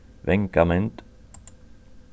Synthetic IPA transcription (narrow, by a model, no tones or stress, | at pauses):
ʋɛŋkamɛnt̪